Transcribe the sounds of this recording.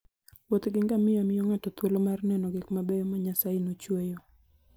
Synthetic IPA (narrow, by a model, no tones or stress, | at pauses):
wot̪ɡɪŋɡamɪamɪoŋatɔt̪wolomarnɛnɔɡɪkmabɛjɔmɔɲasainot͡ʃwejo